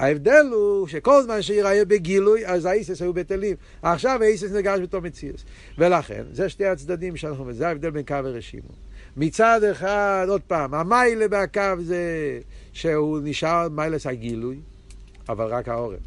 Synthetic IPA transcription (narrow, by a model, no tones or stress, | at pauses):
aevd̪ɛlhuʃekolzmanʃeiʁajebeɡilujazaejsesajubetelim | aχʃavaejs̬es̬niʁɡaʃbet̪omet͡sius | velaχḛnzɛʃtejat͡sd̪adimʃɛanaχnuvizɛaɛvd̪ɛlbenkavaʁeʃḭmo̰ | mit͡sad̪eχad̪od̪̚paːmamajlebeakavze | ʃeuniʃaʁmajleshaɡiluj | a̰valʁakhaoʁɛ̰n